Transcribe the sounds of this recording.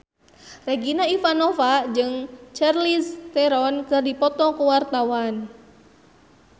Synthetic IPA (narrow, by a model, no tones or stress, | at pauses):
rɛɡinaifanɔvad͡ʒɨŋt͡ʃɛrlist̪ɛɾɔnkɨrdipɔt̪ɔkuwart̪awan